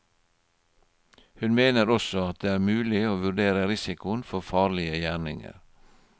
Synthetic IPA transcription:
hʉnmeːnəɾɔsɔɑt̪̚d̪eːæːɾmʉːlɪoːʋʉɖeːɾəɾɪsɪkʊənfɔfɑːlɪəjæːɳɪŋə̰ɾ

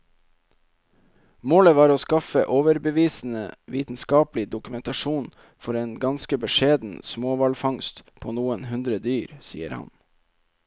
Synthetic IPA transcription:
moːləʋɑːɾoːskɑfəʔoːʋəɾbəʋiːsn̩əʋiːt̪n̩skɑːplɪd̪ʊkʉmɛnt̪ɑʃuːn | fɔɾeːnɡɑnskəbəʃeːd̪n̩smoːʋɑlfɑŋst̪pʰoːnuːənhʉnd̪ɾəd̪yːɾsḭːə̰ɾhɑ̰n

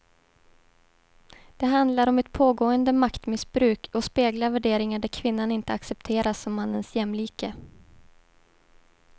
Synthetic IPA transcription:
d̪̥ɛɦand̪laɾɔmɛt̪pʰoːɡoːənd̪əmakt̪mɪsbɾʉ̟ːkʰɔspeːɡlaɾvæɖeːɾɪŋaɖæɾkʰvɪnːanɪnt̪əaksɛp̚t̪ʰeːɾasɔmːanːənsjɛmːliːkə

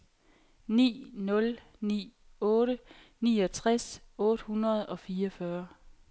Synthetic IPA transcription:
nḭːnɔ̽l | nḭː | ɔ̽ːɾə | nḭːɒ̽t͡sʰʁasɔ̽ːɾ̥əhunʁɐð̞ˠɒ̽fiːɒfɶɐ

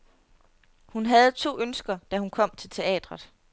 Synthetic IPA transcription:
hunɦæð̞̩ˠt͡sʰo̝̰ːønsɡ̥ɐd̥æhunkʰɒ̽m̰t͡sʰe̝lt͡sʰe̝ɛ̰ːd̥ʁɐð̩ˠ

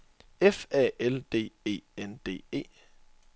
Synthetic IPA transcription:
efɛeld̥e̝̰ːe̝̰ːend̥e̝̰ːe̝̰ː

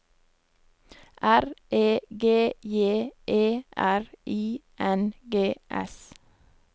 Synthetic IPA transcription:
ʔæɾʔeːɡeːjeːʔeːʔæɹʔiːʔɛnɡeːʔɛ̰s

